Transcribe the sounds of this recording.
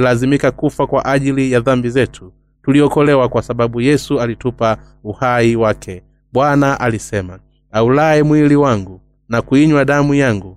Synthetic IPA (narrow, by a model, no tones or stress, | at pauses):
lazimikakufakwaʔaʄilijaðambizɛtʰu̥ | tuliɔkɔlɛwakwasaɓaɓujɛsualitupa | uhaiwakʰɛ | ɓwanaʔalisɛma | aulaɛmwiliwaŋɡu | nakuiɲwaɗamujaŋɡu